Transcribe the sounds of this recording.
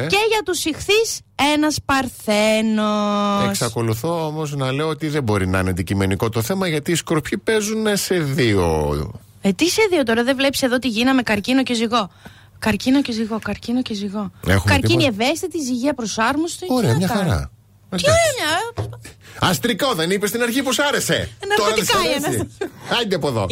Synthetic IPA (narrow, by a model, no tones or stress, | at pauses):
ce̞ʝɐt̪usixθise̞nɐspɐɾθenoesksɐko̞luθoomoznɐle̞oot̪iðebo̞ɾinɐineɐnd̪icime̞niko̞t̪oθe̞mɐʝɐt̪iːskoɾpçipe̞zunese̞ðio̰ | et̪ise̞ðio̞t̪̬oɾɐðevle̞pse̞ðot̪iʝinɐme̞kɐɾcino̞ce̞ziɣo̞ | kɐɾcino̞ceziɣo̞kɐɾcinoce̞ziɣo̞ḛxumɐɾʲinieve̞st̪it̪iziʝeɐpɾosɐɾmost̪ooɾemɲɐxɐɾɐ̰ | çoɲɐ | ɐst̪ɾikoðenipest̪inɐɾçiposɐɾe̞seenɐɾoɾɐt̪ɐnɐɐd̪iɐpoðo̞̰